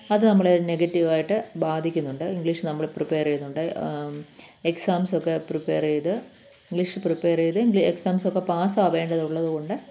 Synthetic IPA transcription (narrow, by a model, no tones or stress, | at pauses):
ɐðɨnɐmːɐɭeɾneɡɐtːiʋaːjiʈːɨbaːd̪ʱikʲːunːuɳɖɨiŋɡɭiʂnɐmːɐɭpripeːrejunːuɳɖɨ | eksaːmso̞kːepripːeːrejðɨ | iŋɡɭiʂɨpripːeːrejɐðɨiŋɡlieksaːmsokːe̞paːsaɐʋe̞ːɳɖɐðuɭːɐðuɣo̞ɳɖɨ